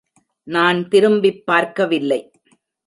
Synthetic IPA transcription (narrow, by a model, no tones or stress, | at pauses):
naːnt̪ɪɾɯmbɪpːaːɾkɐʋɪlːɐɪ